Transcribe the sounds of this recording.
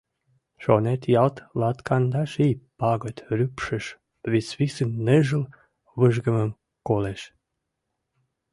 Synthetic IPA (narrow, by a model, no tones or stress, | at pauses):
ʃonet̪jɑlt̪lɑt̪kɑnd̪ɑʃipɑɡot̪ʲɾypʃəʃ | βit͡svisənːeʒəl | vəʒɡəməm | koleʃ